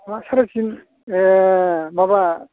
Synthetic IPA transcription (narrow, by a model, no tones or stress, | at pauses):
asaɾasin | ebaba